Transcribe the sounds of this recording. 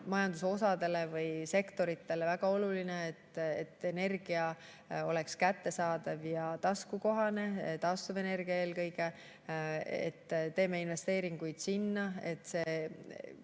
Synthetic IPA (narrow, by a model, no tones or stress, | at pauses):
mɑjɑnd̪uso̞sɑd̪e̞le̞vɯjse̞kt̪o̞ɾit̪ːe̞le̞væɡ̥ɑo̞lulineːt̪ːet̪ːe̞ne̞rɡ̥iɑ | o̞le̞kskæt̪ːe̞sɑːd̪ɑvjɑt̪ɑskuko̞ɦɑne̞t̪ɑst̪uve̞ne̞rɡ̥iɑe̞ːlkɤjɡe̞ | ḛt̪ːt̪ːe̞ːmːe̞invest̪e̞ːɾiŋɡ̥ujd̪̥sinːɑe̞t̪ːˑse̞ː